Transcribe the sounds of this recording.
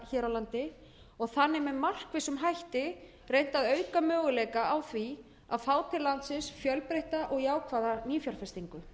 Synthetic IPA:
çɛːɾawlant̪ɪ | ɔɣθanːɪmɛmar̥kvɪsʏmɦajht̪ɪ | rejn̥t̪aðœːɥkamœːɣʏlɛːjkaawθvi | aðfaːwt̪ʰɪlant̪sɪsfjœlpɾejht̪aʔɔɣjaːwkʰvaːðaniːfjalfɛst̪iŋkʏ

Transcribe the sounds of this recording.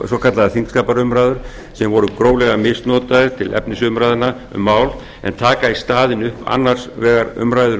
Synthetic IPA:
sɔkʰat̪laðaθiŋskaːpaɾʏmɾajðʏɾ̥ | sɛmvɔɾʏkɾoːwlɛɣamɪst̪nɔːt̪aðɪt̪ʰɪlʔɛ̰pnɪsʏmɾaːjðɪna | ʏ̰mːaːwl | ɛ̰nt̪ʰaːkaist̪aːðɪnʏhpʰa̰nːar̥svɛːɣaɾʏ̰mɾaːjðʏɾ

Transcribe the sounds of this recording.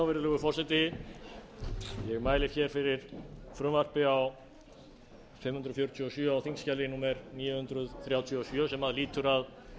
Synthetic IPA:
awvɛɾðlɛɣʏfɔr̥sɛt̪ɪ | jɛɣmaːjlɪçɛɾ̥fɪɾɪɾ̥fɾʏmvar̥pɪaw | fɪmhʏnɾʏfjowɾ̥t̪ʰjyɔsœːawθiŋscalɪnuːmɛɾniːjʏhʏnt̪ɾʏðθɾjaːwt̪ʰjɔɔsjœːsɛmaðliːt̪ʏɾað

